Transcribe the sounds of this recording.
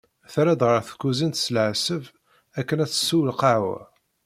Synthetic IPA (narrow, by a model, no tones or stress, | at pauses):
θɾæd̪ʁəɾˤθə̥kːuzint̪səlʕsəv | ækːənæt͡sːə̥sːuwəlqaʕwæ̰